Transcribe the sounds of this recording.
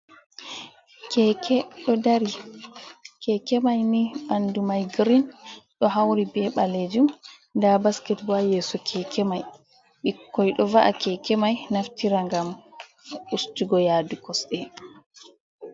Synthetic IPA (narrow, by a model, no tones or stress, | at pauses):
kɛkʰɛɗɔdaɾi | kɛkɛmajniɓandumajɡɾinɗɔɦawɾibɛɓaled͡ʒum | dabaskɛtbajɛːsɔkʰɛkɛmaj | ɓikːɔjɗɔvaʔakɛkɛmajnaftiɾaŋɡam | ustuɡɔjaːdukɔsɗɛ